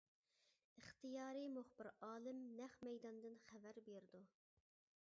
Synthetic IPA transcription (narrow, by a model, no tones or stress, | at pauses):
ɨχt̪ʰijɑːɾɨmuχbɪɾɑːlˠɨmnɛχmɛjd̪ɑnd̪ɨnχævæɾbeɾd̪u